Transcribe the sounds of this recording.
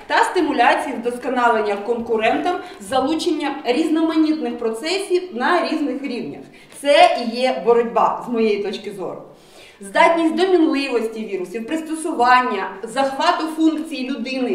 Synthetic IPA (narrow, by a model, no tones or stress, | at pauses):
t̪ɐst̪ɪmʊlʲat͡sʲijiwd̪ɔskɔnɑlˠenʲːɐwkɔnkʊɾɛnt̪ɐmzɐlˠut͡ʃenʲːɐɾʲiznɔmɐnʲit̪nɪxpɾɔt̪sɛsʲiwnɐɾʲiznɪxɾʲiwnʲɐ̰x | t̪sɛijɛbɔɾɔdʲbɑzmɔjejit̪ɔt͡ʃkɪzɔ̰ɾʊ̰ | zd̪ɑtʲnʲisʲt̚ʲd̪ɔmʲinlˠɪʋɔsʲtʲiʋʲiɾʊsʲiwpɾɪst̪ɔsʊʋɑnʲːɐzɐxʋɑt̪ʊfunkt͡sʲijilʲʊd̪ɪnɪ